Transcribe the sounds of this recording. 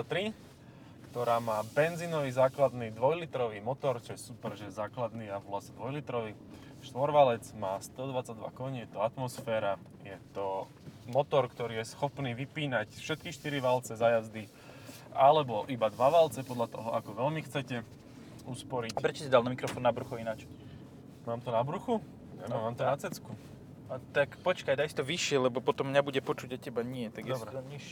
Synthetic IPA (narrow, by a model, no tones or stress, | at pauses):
at̪ɾi | kt̪ɔɾaːmaːbɛnzinɔʋizaːklad̪nid̪ʋɔjlit̪ɾɔʋimɔt̪ɔɾt͡ʃɔjɛsupɛɾʒɛjɛzaːklad̪niːaʋulasɛd̪ʋɔjlit̪ɾɔʋi | ʃt̪ʋɔɾʋalɛd͡zmaːst̪ɔd̪ʋat͡saɟd̪ʋa̰kɔɲjɛt̪ɔat̪mɔsfɛːɾa | jɛt̪ɔ | mɔt̪ɔɾkt̪ɔɾiːjɛsxɔpniːʋipiːnacfʃɛt̪̚kiʃt̪iɾiʋalt͡sɛzajazd̪i | alɛbɔʔibad̪ʋaʋalt͡sɛpɔd̪lʎat̪ɔɦɔʔakɔʋɛlmixt͡sɛcɛ | uspɔɾicpɾɛt͡ʃɔsid̪alnamikɾɔfɔːnːabɾuxɔinat͡ʃ | maːmt̪ɔnabɾuxu | ɛmaːmt̪ɔnat͡sɛt͡sku | t̪akpɔt͡ʃkajd̪ajsi̥t̪ɔʋiʃɪɛlɛbɔpɔt̪ɔmɲabuɟɛpɔt͡ʃuɟacːɛbaɲɪɛt̪aɡjɛsbɾɔmɲiʃɛ